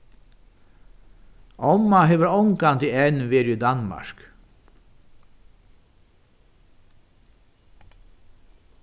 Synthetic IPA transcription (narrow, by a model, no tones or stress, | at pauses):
ɔmaɦeːʋəɾɔŋkant̪iɛnʋeːɾiːd̪anma̰ɹk